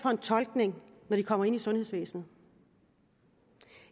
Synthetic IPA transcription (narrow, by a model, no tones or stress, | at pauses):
fɒ̽e̝nt͡sʰɒ̽lɡ̥ne̝ŋnɒɾ̥ikʰɒ̽m̰ɐe̝nisɔ̽nheðˠsʋḛːsn̩